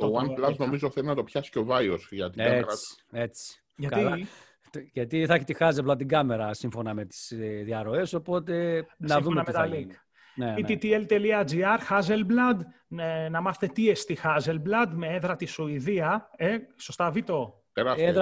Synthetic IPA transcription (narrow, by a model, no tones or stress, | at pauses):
owɐnplɐzno̞mizoθelinɐt̪o̞pçɐsco̞vɐjosʝɐt̪ieet͡si̥ | ʝɐt̪i | ʝɐt̪iθɐçit̪ixɐzelblɐd̪̚t̪iɡɐme̞ɾɐsiɱfo̞nɐme̞t̪i̥sðjɐɾo̞e̞so̞po̞t̪e̞sɐðummenɐmit̪ɐlik | neiit̪ielt̪eliɐd͡ziɐɾxɐzelblɐd̪nɐmɐθet̪e̞t̪iest̪ixɐzelblɐd̪me̞eðɾɐt̪isuiðiɐeso̞st̪ɐvit̪o̞ | t̪eɾɐseðɾ